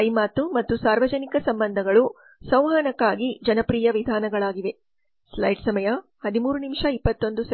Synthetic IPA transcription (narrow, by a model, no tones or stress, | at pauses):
ɐjmaːt̪ːumɐt̪ːusaːɾʋɐd͡ʒɐnikɐsɐmbɐnd̪ʱɐɡɐɭu | sɐ̃w̃ɦaːnɐkːaːɡid͡ʒɐnɐpɾiːjɐʋid̪ʱaːnɐɡɐɭaːɡiʋe̞ | slɐjɖsɐmɐjɐ | hɐd̪imuːɾunimʂɐipːɐt̪ːo̞nd̪usɐ